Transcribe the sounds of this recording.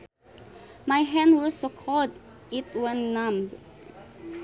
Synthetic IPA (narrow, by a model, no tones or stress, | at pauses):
majɦɛ̃ndwɔsokʰɔd | it̚wə̃nːãmb